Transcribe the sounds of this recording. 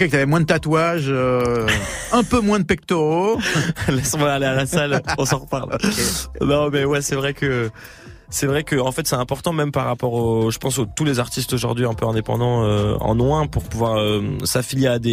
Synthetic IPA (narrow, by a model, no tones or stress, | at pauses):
kɛkt̪yavɛmwɛ̃d̪ət̪at̪waʒø | ɛ̃pømwɛ̃d̪əpɛk̚t̪o | lɛsmwaalealasalɔ̃sɑ̃ʁəpaʁl | nɔ̃mɛwɛsɛvʁɛkʰə | sɛvʁɛkəɑ̃fɛt̪sɛɛ̃pɔʁt̪ɑ̃mɛmpaʁːapɔʁoʒəpɑ̃sot̪ulezaʁt̪ist̪oʒuʁd̪ɥiɛ̃pøɛ̃d̪epɑ̰̃d̪ɑ̃øɑ̰̃nwɛ̃puʁpuvwaʁøsafiljead̪e